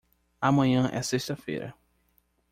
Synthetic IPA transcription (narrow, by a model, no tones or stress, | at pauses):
amɐ̃ɲɐ̃ʔɛ̰seʃt̪ɐfḛjɾɐ̰